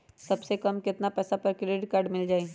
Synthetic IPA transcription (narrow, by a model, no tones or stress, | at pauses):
sɐbsekɐmkɪt̪napɛːsapɾəkʊɾeʈkaːɾɖmɪld͡ʒaːe